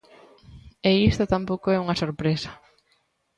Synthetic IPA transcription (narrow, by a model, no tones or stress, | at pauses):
eist̪at̪ampowkoɛuŋɐsoɾpɾesɐ̥